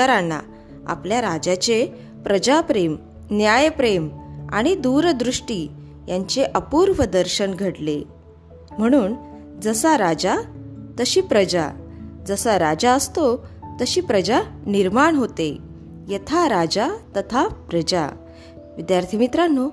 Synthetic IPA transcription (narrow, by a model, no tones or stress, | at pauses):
əɾanːa̰ | a̰pljaɾad͡ʑat͡ɕe | pɾəd͡ʑapɾem | njajpɾema̰ɽ̃id̪uɾd̪ɾuʂʈiː | jaɲt͡ɕeʔəpuɾʋəd̪əɾɕənɡʱəɽle | m̤əɽ̃uːn | d͡zəsaɾad͡ʑat̪əɕiːpɾəd͡ʑa̰d͡zəsəɾad͡ʑaəst̪ot̪əɕiːpɾəd͡ʑaniɾmaɳɦot̪e | jət̪ʰaɾad͡ʑat̪ət̪ʰapɾəd͡ʑa̰ | ʋid̪jaɾt̪ʰimit̪ɾanːo